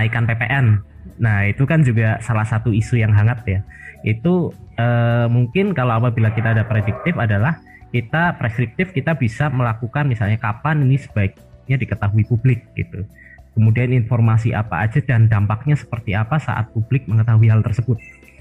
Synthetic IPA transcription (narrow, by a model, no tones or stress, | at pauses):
naikanpepeʔɛnː | ahit̪ukand͡ʒuɡasalahsat̪uisujaŋɦaŋat̪̚jaʔit̪uəːmuŋkɪnkaloapabilakit̪aːdapɾedɪk̚t̪ɪfadalah | kit̪apɾeskɾɪk̚t̪ɪfkit̪abisaməlakukanmisalɲakapaninisə̥b̥aɪk̚ | ɲadikət̪aɦuipublɪk̚ɡ̥ḭt̪u | kəmudianinfɔrmas̬iʔa̰pa̰ad͡ʒadandampak̚ɲasə̥pərt̪iapasa̰ʔa̰t̪̚publɪk̚məŋət̪aɦuiɦalt̪ərsəbʊt̪̚